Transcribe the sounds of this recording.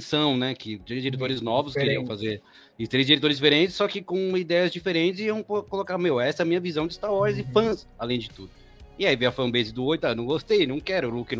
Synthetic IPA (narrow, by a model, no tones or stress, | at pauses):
sɐ̃w̃nɛkɪt̪ɾejzd͡ʒiɾet̪oɾɪznɔvʊskeɾiɐ̃w̃fazeɾ | ɪt̪ɾejzd͡ʒiɾet̪oɾɪzd͡ʒifeɾẽt͡ʃɪ̥sːɔkɪkõid̪ɛjɐzd͡ʒifeɾẽnt͡ʃɪsiɐ̃w̃kkolokaɾmejwɛsɛɐmĩɲɐvizɐ̃w̃d͡ʒɪst̪aɾwɔɾzɪfɐ̃s | alẽj̃d͡ʒɪt̪ud̪ʊ | ɪaivejɐfɐ̃bezɪd̪ʊojt̪aewñw̃ɡost̪ejnɐ̃w̃kɛɾʊlukɪn